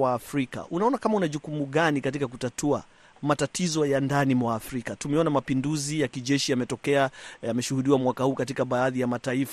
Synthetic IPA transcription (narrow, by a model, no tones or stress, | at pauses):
waːfɾika̰ʔunaɔnakamaunaʄukumuɠanikat̬ikakutatʰua | matatʰizɔjandanimwaːfɾikatumɛɔnamapinduzijakiʄɛʃijamɛtɔkɛajamɛʃuhuɗiwamwakahuːkat̬ikaɓaːðijamataifa